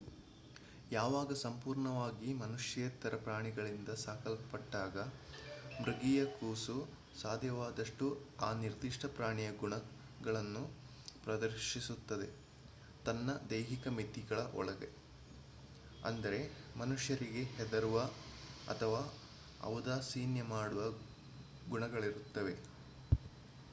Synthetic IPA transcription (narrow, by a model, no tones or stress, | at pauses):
jaːʋaːɡɐsɐmpuːɾɳɐʋaːɡimɐnuʂjɐjt̪ːɐɾɐpɾaːɳiɡɐɭind̪ɐsaːkɐlpɐpɐʈːaːɡɐ | mɾiɡijɐkuːsu | saːd̪ʱjɐʋaːd̪ɐʂʈuaːniɾd̪iʂʈʰɐpɾaːɳijɐɡuɳɐ | ɡɐɭɐnːu | pɾɐd̪ɐɾʃisut̪ːɐd̪e̞ | t̪ɐnːɐd̪ejɦikɐmit̪ːiɡɐɭɐʔɔ̰ɭɐɡḛ | ɐ̰nd̪ɐɾe̞mɐnuʂjɐɾiɡe̞hɛd̪ɐɾuʋɐɐ̰t̪ʰɐʋaː | ɐ̰ʋd̪aːsiːnjɐmaːɽuʋɐ | ɡuɳɐɡɐɭiɾut̪ːɐʋe̞